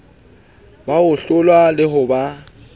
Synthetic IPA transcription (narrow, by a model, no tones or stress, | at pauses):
baʊɬʊlwalɪɦʊba